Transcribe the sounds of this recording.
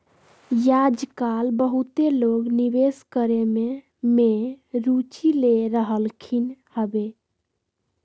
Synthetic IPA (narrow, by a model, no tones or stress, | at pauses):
jad͡ʒkalbəɦut̪eloɡnibeskəɾeme | meɾut͡ʃileɾəɦəlkʰinhəbe